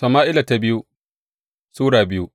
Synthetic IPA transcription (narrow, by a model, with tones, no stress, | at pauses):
sɐ˨maː˦ʔɪ˦la˨ta˨bɪ˦ju˦ | suː˦ɽaː˨bɪ˦ju˦